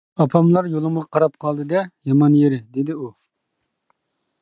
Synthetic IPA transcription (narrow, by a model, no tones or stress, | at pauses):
ɑpʰɑmlˠɑɾjolˠɨməʁɑqʰɑɾɑp̚qʰɑlˠd̪ɨd̪ɛjɑmɑnjeɾɪd̪ed̪ɪu